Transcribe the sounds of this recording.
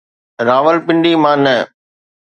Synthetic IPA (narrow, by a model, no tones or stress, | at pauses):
ɾaːʋəlpɪ̃ɳɖimãːnɐ